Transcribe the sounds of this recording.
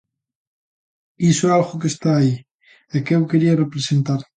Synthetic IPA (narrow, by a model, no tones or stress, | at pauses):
isʊɛalɣʊk̬est̪aːi | ɛkewkeɾiɐrepɾesent̪aɾ